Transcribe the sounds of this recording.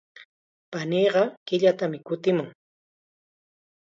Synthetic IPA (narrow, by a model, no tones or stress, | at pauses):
paniːɢɑkɪʎat̪amɪkʊt̪ɪmʊŋ